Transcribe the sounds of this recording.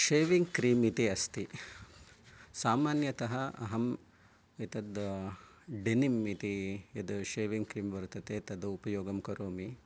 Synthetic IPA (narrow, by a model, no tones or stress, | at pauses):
ʃeːʋiŋɡkɾiːmit̪iɐst̪i | saːmaːnjɐt̪ɐɦɐɐɦɐm | it̪ɐd̪ | ɖenimit̪iɐd̪ʃeːʋiŋɡkɾiːmʋɐɾt̪ɐt̪eːt̪ɐd̪uupɐjoːɡɐmkɐɾoːmi